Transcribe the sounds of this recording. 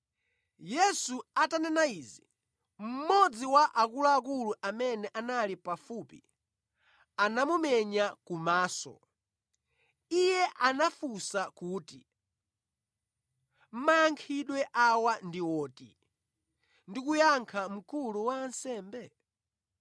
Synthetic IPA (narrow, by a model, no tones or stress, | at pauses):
jɛsuatanɛnaiːzi | m̩mɔd͡ziwaʔakulaːkuluʔamɛnɛʔanalipafuːpḭ | anamumɛɲakumaːsɔ̰ | ijɛʔanafusakuːti | m̩majaŋkʰiɗwɛʔawandiwɔːtḭ | ndikujaŋkʰam̩kuluwaːnsɛːmbɛ